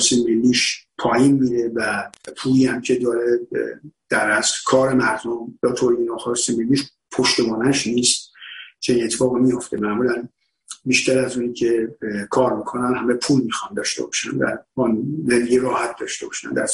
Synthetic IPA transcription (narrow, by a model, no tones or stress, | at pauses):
simelːiːʃpʰɒːjiːnmiːɾe̞væpʰuːliːhæmcʰe̞d̪ɒːɾe̞d̪̥æɾæskʰɒːɾe̞mæɾd̪o̞mjɒːt̪ʰoɾiinɒxɑsimelːiːʃ | pʰo̞ʃt̪e̞bɒːnæʃniːst̪t͡ʃʰeniːnet̪ʰːefɒːɣimijo̞ft̪e̞mæmuːlæn | biːʃt̪æɾæzuːniːcʰe̞kʰɒːɾmikʰo̞nænhæmepʰuːlmiːxɒnd̪ɒːʃt̪e̞bɒ̰ʃæ̰ndæ̰ɾɒnɾelijeɾɒːhæt̪̚d̪ɒːʃt̪e̞bɒʃæ̰nd̪æ̰z